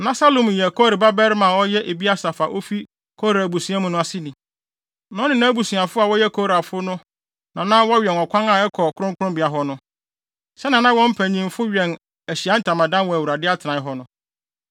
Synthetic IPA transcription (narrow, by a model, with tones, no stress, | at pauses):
nã˦sa˦lõ˨m˨jɛ˨kʰɔ˦ɾi˨ba˦bɛ˦ɾmã˨wɔ˦jɛ˦ʔe˨bi˦a˦sa˨fa˨ʔo˦fi˦ | kʰɔ˦ɾa˨bu˨su˨˦ã˦mʊ̃˦nʊ̃˦a˨si˦nĩ˨ | nã˨˦nɪ̃˨nã˦bu˨su˨a˨fʊ˦a˨wɔ˦jɛ˦kʰɔ˦ɾa˨fʊ˦nʊ̃˦ | nã˨nã˦wɔ˦ɥᶣɛ˨nɔ˨kʷʰã˦ŋa˨ɛ˦kʰɔ˨kʰʊ˦ɾʊ̃˦ŋkʰʊ˦ɾʊ̃˦mbi˨a˨ɦɔ˨nʊ̃˦ | sɛ˦nã˨nã˦wɔ̃˦m̩˦pʰæ̃˨ɲĩ˦m˦fʊ˦ɥᶣɛ˨n | æ˨ɕi˨a˨˦n̩˦tʰã˨mã˨dã˦nwɔ˨æ˨wu˨ɾa˨dɪ˦a˦tʰɪ˨nã˨˦ɦɔ˦nʊ̃˦